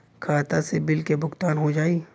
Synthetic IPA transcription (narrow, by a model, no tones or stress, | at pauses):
kʰaːt̪asebɪlkebʱʊɡt̪aːnɦod͡ʒaːiː